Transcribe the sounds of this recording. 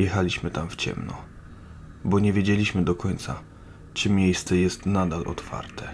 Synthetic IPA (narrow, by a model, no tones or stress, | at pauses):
jɛxalʲiɕmɘt̪amft͡ɕɛ̰mnɔ̰ | bɔɲevʲjed͡ʑelʲiɕmɘd̪ɔkɔɲt̪sa̰ | t͡ʂɘmʲjejst̪sɛjɛst̪nad̪alʔɔ̰t̪fa̰ɾt̪ʰɛ